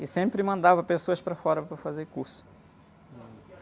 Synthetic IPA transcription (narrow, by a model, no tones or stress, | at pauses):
ɪsẽmpɾɪmɐ̃nd̪avɐpesoɐspɾɐfɔɾɐpɾɐfazeɾkuɾsʊ̥